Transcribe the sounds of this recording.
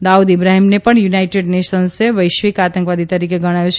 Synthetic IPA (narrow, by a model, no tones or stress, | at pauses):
d̪aud̪ibɾaɦimnepəɳjunaiʈeɖneʃənseʋəjʃʋikat̪ə̃ŋkʋad̪it̪əɾikeɡəɽ̃ajũt͡ʃʰ